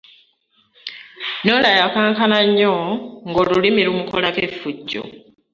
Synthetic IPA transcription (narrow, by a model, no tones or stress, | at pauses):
noːlajakaːŋkanaɲːoŋɡoːlulimiɾumuko̞lakefuɟːo̰